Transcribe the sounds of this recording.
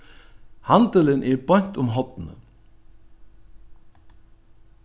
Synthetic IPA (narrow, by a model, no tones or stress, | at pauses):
hand̪ələnʔɛɾbɑɲ̥t̪ʊmɦɔt̪nə̰